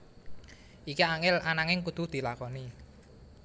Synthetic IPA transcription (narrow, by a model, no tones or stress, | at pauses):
ʔikiaŋɪlanaŋɪŋkud̪̥ṳhd̪̥i̤lakɔni